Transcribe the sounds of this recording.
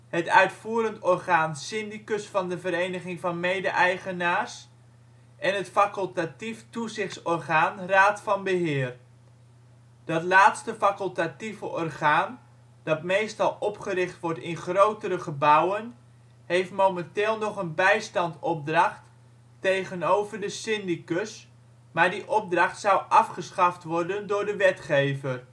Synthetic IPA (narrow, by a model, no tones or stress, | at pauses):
hətœɥtfuːəɾəntɔrχaːnsɪndikɵsfɑndəvəɾejnəχɪŋvɑnmejdəʔɛjχənaːrs | ɛnɦətfakəlˠtatiftuzɪχtsɔrχaːnraːtfɑnbəɦɪːr | d̥ɑtlaːtstəfakəlˠtativəʔɔrχaːn | d̥ɑtmejstɑlˠɔpχəɾɪχtʋɔrtɪnχrowtəɾəχəbʌwən | ɦejftmowmɛntɪːlˠnɔχənbɛjstɑntɔb̚drɑχtː | ejχənowvərdəsɪndikɵs | maːɹdiʔɔb̚drɑχtsʌwʔɑfχəsχɑftʋɔrdəndʊːrdəʋɛtχejvər